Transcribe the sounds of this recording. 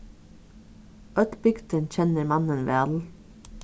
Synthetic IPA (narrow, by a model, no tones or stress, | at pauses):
ʔœt̪bʏɡd̪ənc͡çɛnəɾmɑnənʋḛːɑl